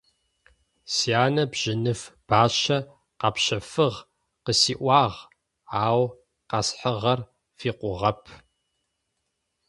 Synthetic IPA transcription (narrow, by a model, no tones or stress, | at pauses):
siaːnɐbʑ̥ɪnɨfb̥aːɕɐ | qɑpɕɐfɨʁ | qəsiːʔʷɑːʁ | aːw | qɑsħəʁɐr | fiːqʷʊʁɐpʰ